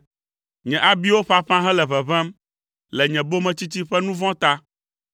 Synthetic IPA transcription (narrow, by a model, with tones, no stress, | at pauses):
ɲɛ̃˨ʔa˨bi˦wo˦ɸa˦ɸã˦ɦɛ̃˦lɛ˨βɛ˨βɛ̃˦m | lɛ˨ɲɛ̃˨bo˦mɛ̃˨t͡ɕi˦t͡ɕi˦ɸɛ˦nũ˦vɔ̃˦t̪a˦